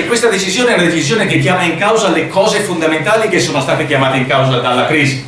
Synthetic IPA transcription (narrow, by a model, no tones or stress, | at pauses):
kwest̪ad̪et͡ʃizjoːneɛunad̪et͡ʃizjoːnekekːjaːmaiŋkawzalekʰɔːzefond̪ament̪aːlikesːoːnost̪aːt̪ekjamaːt̪eiŋkawzad̪alːakɾiːzi